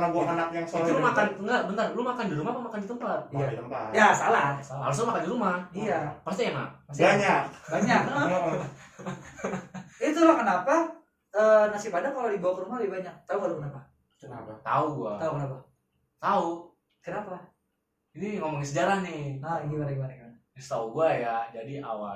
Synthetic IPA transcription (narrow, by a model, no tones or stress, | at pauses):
ɾabakanak̚jaŋsoiulmakanŋɡabənt̪arlumakandiɾumapamakandit̪əmpat̪̚iait̪əpa̰jasalasahaɾus̬amakandiɾumaijapast̪ijaŋa̰asbaɲak̚baɲaka | it̪ulahkənapa | əːnasipadakaladibawakəɾumabibaɲak̚t̪auɡalukənapa | unapat̪a̰uɡuat̪aukənapa | t̪au | kənapaa | iniŋomɔŋisəd͡ʒaɾahnɪhaɡibaɾaɡibaɾaɡbaa | st̪auɡuajad͡ʒadiawa